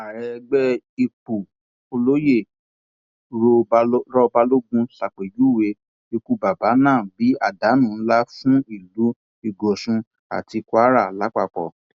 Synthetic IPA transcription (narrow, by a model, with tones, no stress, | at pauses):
a˨ɾɛ˧ɡ͡bɛ˦i˧k͡pu˨ | o˧lo˦je˦˨ | ɾo˧˦ɾɔ˦˧ba˧lo˦ɡũ˦sa˨k͡pe˨ju˨˦˨we˧˦ | e˧ku˨˧ba˨ba˨˦nãː˦˨bi˨˦a˦˨da˨˦nũ˦˨n̩˦la˦fũ˦i˦˨lu˨˦ | i˦˨ɡɔ˨sũ˧ | a̰˨ti˧kwa˦ɾa˦˨la˨˦k͡pa˦˨k͡pɔ̰˨